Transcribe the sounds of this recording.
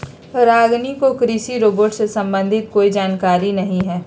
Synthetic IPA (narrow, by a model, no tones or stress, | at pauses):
ɾaːɡnikokɾiːsiɾoːboːʈsesɐ̃mbə̃nd̪ʱɪt̪̚koːid͡ʒaːnkaːɾinɐɦĩɦɛː